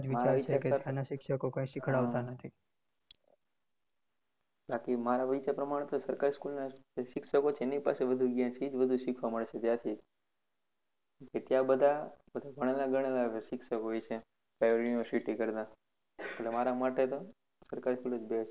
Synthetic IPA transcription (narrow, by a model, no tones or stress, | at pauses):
d͡ʒʋimat͡ʃɾaʋit͡ʃeaket̪janaʃɪkʃəkokõĩʃɪkʰəɽaʋt̪anət̪ʰi | bakimaɾaʋit͡ʃapɾəmaɽ̃t̪osəɾkaɾiskulnaeʃɪkʃəkot͡ʃʰeenipa̰seʋəd̪ʱuɡjãt͡ʃʰid͡ʒʋəd̪ʱuʃikʰʋaməɭʃet̪jãt̪ʰid͡ʒ | ket̪jãbəd̪ʱabəd̪ʱaɡʱəɽ̃elaɡʱəɽ̃elaʃɪkʃəkɦojt͡ʃʰe | pɾajʋoɾiʋəɾsiʈikəɾt̪ã | eʈlemaɾamaʈet̪o | səɾkaɾiskulod͡ʒbet͡ʃʰe